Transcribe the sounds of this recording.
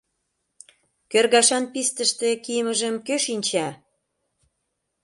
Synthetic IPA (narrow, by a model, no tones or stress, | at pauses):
kørɣɑʃɑnpist̪əʃt̪ĕkijəməʒəmkøʃinʲt͡ɕɑ